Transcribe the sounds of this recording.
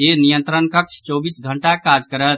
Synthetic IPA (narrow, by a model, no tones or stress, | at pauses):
enijənt̪ɾənkək̚t͡ʃʰt͡ʃɔbisɡʱəɳʈakad͡ʒkəɾət̪̚